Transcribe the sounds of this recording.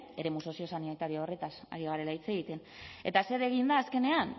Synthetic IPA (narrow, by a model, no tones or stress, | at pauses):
e̞ɾe̞muso̞sio̞sanit̪aɾioore̞t̪asa̰ɾiɣaɾe̞lait͡se̞ɣ̞it̪e̞n | e̞t̪ase̞ɾe̞ɣ̞ind̪aːske̞ne̞an